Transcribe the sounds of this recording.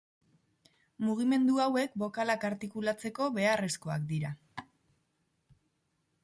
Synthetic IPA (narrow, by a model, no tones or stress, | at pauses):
muɣ̞ime̞nd̪uawe̞kbo̞kalakaɾt̪ikulat͡se̞ko̞βe̞are̞sko̞akd̪iɾa